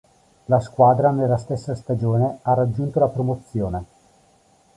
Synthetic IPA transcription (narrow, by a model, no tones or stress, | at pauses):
laskwaːd̪ɾanelːast̪esːast̪ad͡ʒoːnearːad͡ʒːunt̪olapɾomot̪sːjoːne